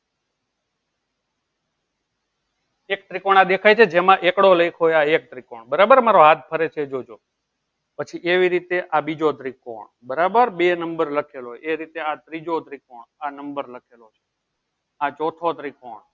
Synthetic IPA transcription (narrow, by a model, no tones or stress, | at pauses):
ek̚t̪ɾikoɳ̃ad̪ekʰajt͡ʃʰed͡ʒemãʔekɽoləikʰɦojaek̚t̪ɾikoɳbəɾabəɾmaɾoɦat̪̚ʰpʰəɾet͡ʃʰeed͡ʒod͡ʒo | pət͡ʃʰiʔeʋiɾit̪eʔabid͡ʒod̪ʱɾikõ̰ɳ | bəɾabəɾbenəmbəɾləkʰelojeɾit̪eat̪ɾid͡ʒod̪ʱɾikoɳanəmbəɾləkʰelot͡ʃʰe̥ | ad͡ʒot̪ʰod̪ʱɾiko̰ɳ